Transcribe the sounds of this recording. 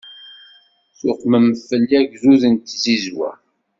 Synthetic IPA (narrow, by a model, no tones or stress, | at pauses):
θʊqməmfːəlːiæɡzuðənt̪zizwæ̰